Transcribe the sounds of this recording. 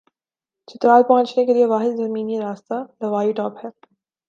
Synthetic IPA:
t͡ʃʰɪt̪ɾaːlpɐɦə̃nt͡ʃnekelieʋaːɦɪd̪zɐɾmiːniiɾaːst̪alɐʋaːiʈɔːphɛː

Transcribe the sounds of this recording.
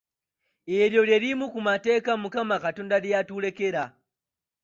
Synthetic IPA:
ɛljɔljɛɾimukumatɛkamukamakatɔndalijatulɛkɛɾa

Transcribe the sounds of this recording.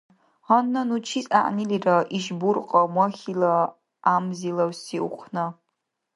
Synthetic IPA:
anːɐnut͡ʃʰisʼa̰ʔniliraʔiʒburqʼamaχʲila | amzilawsiṵqʷʰna

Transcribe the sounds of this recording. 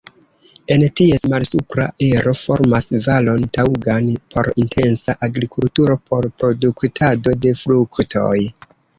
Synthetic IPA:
e̞ntie̞smalsupɾa̰ʔe̞ɾo̞fo̞ɾmasvalo̞ntawɡanpʰo̞̰ɾintʰe̞nsaʔaɡɾikʰultuɾo̞po̞ɾpɾo̞duktʰado̞de̞fɾuktʰo̞̰j

